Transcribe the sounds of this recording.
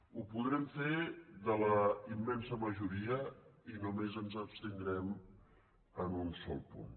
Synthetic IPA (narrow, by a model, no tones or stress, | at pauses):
upuðɾɛmfeðələimːɛnsəməʒuɾiəinumezənzəpst̪ənd̪ɾɛm | ənunsɔ̰lˠpṵn